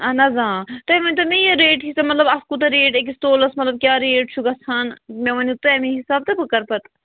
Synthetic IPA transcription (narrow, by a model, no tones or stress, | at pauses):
ɐnɐzãːt̪ɐʋɐnʲt̪ɐmijɐɾeːʈɦisɐmɐt̪lɐbɐskut̪ɐɾeːʈek̬isʈ̪oːlɐsmɐt̪lɐb̚kʲjaːɾeːɖt͡ʃʰuɡɐsʰanmẽʋɐnit̪ɐɐmĩɦisaːb̚t̪ɐpɨkɐɾpɐt̪